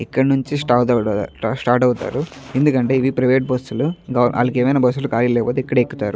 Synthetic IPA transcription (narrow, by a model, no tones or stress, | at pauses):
ikːɐɽnuɲt͡ʃisʈaːɾt̪ɐsʈaːɾʈɐwut̪a̰ːɾuend̪ukɐɳʈe̞ːiʋipɾɐʋeːʈ̚bɐsːuluɡɐʔa̰ːlːɐkeːmɐjnaːbɐsːulukaːlilɛːɐpoːt̪̬eːkːɐɽɐekːut̪aːɾu